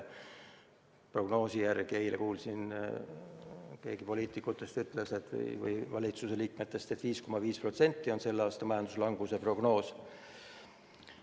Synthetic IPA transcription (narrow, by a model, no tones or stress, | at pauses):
pro̞ɡ̥no̞ːsijærɡ̥ie̞jlekuːlsin | ke̞ːɡ̥ipo̞liːt̪ˑikːˑut̪ːˑe̞st̪yt̪ːˑlese̞t̪vɯ̰jvɯ̰jvɑlʲit̪suse̞liːkme̞t̪ːˑe̞st̪et̪viːsko̞mɑviːspro̞t̪se̞nʲt̪ˑːio̞nse̞lːeɑːst̪ɑmɑjɑnd̪uslɑŋɡ̥use̞pro̞ɡ̥no̞ːs